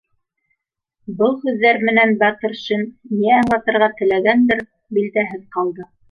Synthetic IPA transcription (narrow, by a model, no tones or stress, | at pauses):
bɤlˠhʉðːæɾmɘ̆nænbɑt̪ɤ̆ɾʃɘnniæːɴlɑt̪ɤ̆ɾʁɑt̪ɘ̆læɡænd̪ɘɾ | bild̪æɦɘðqɑlˠd̪ɤ